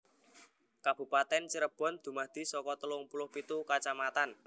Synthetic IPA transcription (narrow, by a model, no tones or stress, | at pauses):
kab̥ṳpat̪ɛnt͡ʃəɾəb̥ɔ̤nd̪̥ṳmahd̪̥i̤sɔkɔt̪əlʊŋpulʊhpit̪ukat͡ʃamat̪an